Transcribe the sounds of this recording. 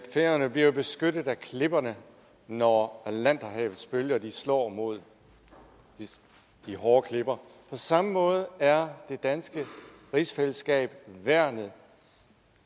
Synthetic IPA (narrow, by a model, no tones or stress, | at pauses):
feɐnəb̥liɐo̝b̥e̝sɡ̥ødð̩ˠækʰle̝b̥ɐnə | nɒælæn̰d̥ɐɦɛ̰ːʊð̩ˠsb̥øljɐd̥islɒ̰ːmo̝ð̰ˠ | d̥iɦɒːkʰle̝b̥ɐpʰɒ̽sɑ̈məmɔ̽ːð̞ˠəæɐd̥e̝d̥ænsɡ̥ə | ʁisfel̰əsɡ̥ɛ̰ːb̥ʋæɐ̰nðˠ